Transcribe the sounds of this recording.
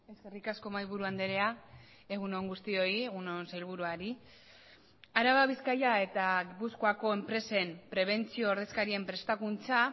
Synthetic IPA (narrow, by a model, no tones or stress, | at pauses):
e̞ske̞rikasko̞majβ̞uɾuand̪eɾe̞a | e̞ɣ̞uno̞ŋɡust̪io̞ieɣunonsajlβ̞uɾuaɾi | aɾaβaβiskajae̞t̪aɣipuskoako̞e̞mpɾe̞se̞mpɾe̞β̞e̞nt͡sio̞ːɾðe̞skaɾie̞mpɾe̞st̪akunt͡sa